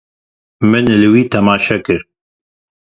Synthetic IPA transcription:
mɨnlɨwiːt̪ʰɛmɑːʃɛkɨɾ

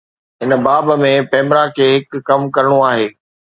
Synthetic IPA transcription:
ɦɪnbaːbmẽpɛːmɾakʰeːɦɪkːɐmkɐɾəɽ̃oaːɦeː

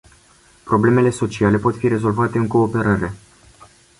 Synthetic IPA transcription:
pɾo̞ble̞me̞le̞so̞t͡ʃiale̞po̞t̪fiɾe̞zo̞lvat̪e̞ɨŋko̞ːpe̞ɾaɾe̞

